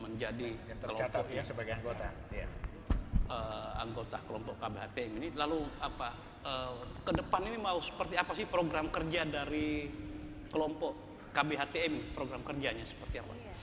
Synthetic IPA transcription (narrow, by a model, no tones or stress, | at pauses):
məɲd͡ʒadijaŋkt̪əəlɔatp̪aɔasəbaɡajaŋɡot̪aja̰ | əːa̰ŋɡot̪akəlɔmpɔʔkabeɦat̪eɛminilaluapa | əkədəpaninimausə̥pərt̪iapasɪhpɾoɡɾamkərd͡ʒadaɾi | kəlɔmpɔʔ | kabeɦat̪eɛminipɾoɡɾamkərd͡ʒaɲasə̥pərt̪iapa̰